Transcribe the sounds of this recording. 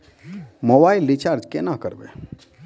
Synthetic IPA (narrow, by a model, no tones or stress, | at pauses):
moːbaːɪlːit͡ʃaːɾd͡ʒkenakəɾbḛː